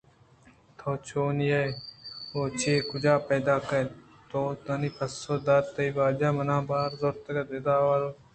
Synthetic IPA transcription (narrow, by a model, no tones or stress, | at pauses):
t̪ʰoːt͡ʃʰoːnije | oːt͡ʃʰeːkud͡ʒaːpeːd̪aːkɐ | t̪oːt̪ɐnipɐsːoːd̪aːt̪ːɐiʋaːd͡ʒaːmɐnãːbaːɾzoɾt̪ɐɡɐd̪ed̪aːwaloː